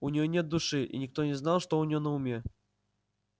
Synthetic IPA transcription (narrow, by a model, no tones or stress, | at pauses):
unʲɪjonʲet̪̚d̪ʊʂɨʔḭnʲɪk̚t̪onʲɪznalˠʂt̪ounʲɪjonəʊmʲe